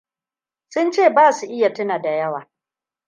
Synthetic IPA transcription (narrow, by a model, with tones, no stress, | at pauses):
sʊ˦nt͡ʃeː˦˨baː˦˨su˨ʔɪ˦ja˨tʊ˦naː˨da˨jɐ˦waː˨